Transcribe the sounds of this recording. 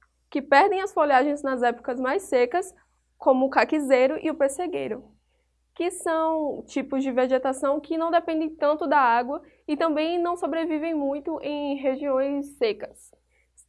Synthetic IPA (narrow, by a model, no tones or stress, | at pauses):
kɪpɛɾd̪ẽj̃ɐsfoʎaʒẽj̃znɐzɛpʊ̥kɐzmajsekɐs | kõmʊːkakizejɾʊʔḭʊpeɾseɡejɾʊ | kɪsɐ̃w̃t͡ʃipʊzd͡ʒɪveʒet̪asɐ̃w̃kɪnɐ̃w̃d̪epẽnd̪ẽj̃t̪ɐ̃nt̪ʊd̪ɐaɡwɐ | ɪt̪ɐ̃mbẽj̃nɐ̃w̃sobɾevivẽj̃mũj̃t̪ʊʔẽj̃ɦeʒiõj̃sːekɐ̥s